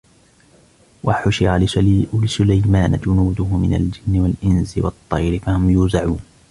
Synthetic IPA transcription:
waħʊʃɪalsʊlajmaːna̰d͡ʒʊnuːd̪ʊɦʊmɪna̰ld͡ʒɪnːɪwalʔɪnzɪwɑt̪ˤːɑjɾɪfahʊmjuːzaʕuːn

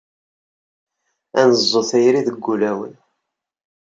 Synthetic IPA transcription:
ænəzˤːoθæjɾiðəɡːulæwən

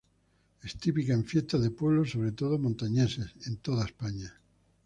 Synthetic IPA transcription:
est̪ipikaẽɱfjest̪aðepweβ̞losːoβɾet̪oð̞omõnt̪aɲesesent̪oðaespaɲa

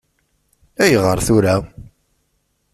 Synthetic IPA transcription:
æjəʁəɾθʊɾæ

